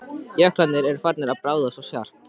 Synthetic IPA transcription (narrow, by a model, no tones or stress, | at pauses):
jœhklat̪nɪɾɛɾfaɾt̪nɪɾaðpɾaːwðasasjar̥